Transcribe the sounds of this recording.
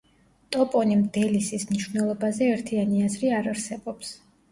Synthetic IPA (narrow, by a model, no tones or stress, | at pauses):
t̪ʼɔpʼɔnimd̪ɛlisismniʃvnɛlˠɔbazɛːɾt̪ʰianiazɾiaɾaɾsɛbɔps